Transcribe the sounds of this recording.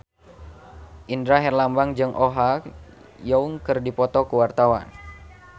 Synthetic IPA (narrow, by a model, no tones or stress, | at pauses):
ʔindɾaɦɛrlambaŋd͡ʒɨŋʔɔɦa | jɔuŋkɨrdipɔt̪ɔkuwart̪awa̰n